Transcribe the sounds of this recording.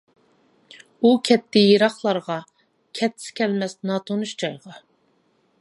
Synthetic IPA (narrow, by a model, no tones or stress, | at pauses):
ukʲʰɛt̪ʰːɪjiɾɑχlˠɑɾʁɑ | kʲʰɛt̪ʰːɪ̥skʲɛlmɛsnɑt̪ʰonuʃd͡ʒɑjʁɑ